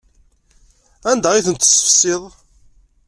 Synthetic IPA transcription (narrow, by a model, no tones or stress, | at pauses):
ænd̪æʁiθənt̪ːsə̥fə̥sːɪðˤ